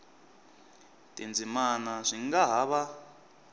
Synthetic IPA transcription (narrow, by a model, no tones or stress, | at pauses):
tʼind͡zimanaʂiŋɡaɦaβa